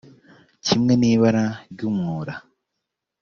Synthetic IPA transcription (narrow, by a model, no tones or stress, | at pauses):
cʰimŋe̞niːβaɾaɾɟuːmŋuːɾa